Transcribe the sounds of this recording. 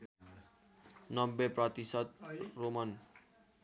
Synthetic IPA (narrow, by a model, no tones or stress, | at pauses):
nɔmbepɾɔt̪isɔt̪̚roman